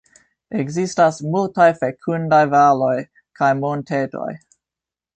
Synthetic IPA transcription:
eɡzistasmultajfekʰundajvalo̞j | kajmontʰetʰo̰j

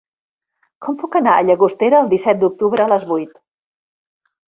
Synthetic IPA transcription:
kʰɔmpukənaəʎəɣust̪eɾəːlˠd̪isɛt̪̚d̪uk̚t̪uβɾəːləzβujt̪

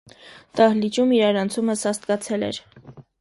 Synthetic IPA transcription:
t̪ɑhlit͡ʃumiɾɑɾɑnt͡sʰuməsɑst̪̚kɑt͡sʰɛlɛ̰ɾ

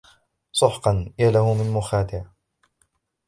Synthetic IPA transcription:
sˤʊħqɑnjalahʊmɪnmʊxaːt̪ɪʕ

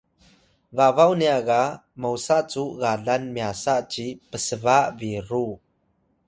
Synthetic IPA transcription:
vavawniaɣa | mowsaʔt͡suɣaɮanmiasaʔt͡ɕipəsəvaʔviɾu

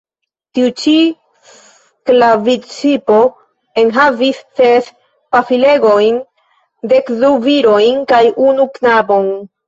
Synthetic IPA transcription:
tiut͡ʃi | s | klavit͡sipo̞ | e̞nɦavisːes | pafile̞ɡo̞jn | dekduviɾo̞jnkajʔunuknabo̞n

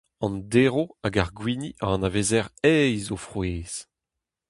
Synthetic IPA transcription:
ɑ̃ndeʁoaɡaʁɡwiːniʔaɑ̃naveːzɛʁɛjzofχweːz̥

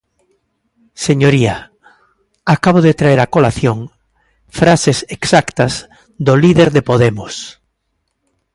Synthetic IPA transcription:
seɲoɾia | akaβ̞oðet̪ɾaeɾakolaθjoŋ | fɾaseseksakt̪ɐz | d̪oliðeɾðepoðemʊs

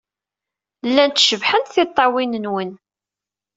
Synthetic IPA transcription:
lːænt̪ʃəvħənt̪θɪt̪ˤːɑwinənwən

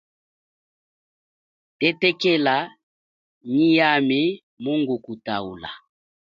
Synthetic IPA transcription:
tɛtɛkɛla | ɲijame | moŋɡukutaṵla̰

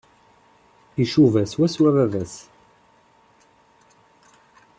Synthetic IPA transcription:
iʃuvæswæswævævæs

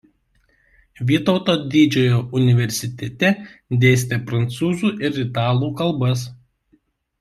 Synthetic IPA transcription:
ʋʲiːt̪ɔʊt̪oːd̪ʲid͡ʒʲoːjoːʔʊnʲɪʋʲɛɾʲsʲɪt̪ʲɛt̪ʲɛd̪ʲeːsʲt̪ʲepɾɐnt̪suːzuːʔɪɾʲɪt̪ɑːlˠuːkɐlˠbɐs

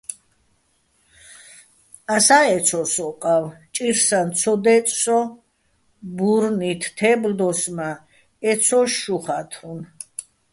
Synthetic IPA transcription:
asaɛt̪sʰɔsɔqʼawt͡ʃʼiɾsant̪t͡sʰɔd̪ɛt̪ʼsɔ | buɾnit̪ʰt̪ʰɛbld̪ɔsma | ɛt̪sʰɔʃːuχat̪ʰɾun

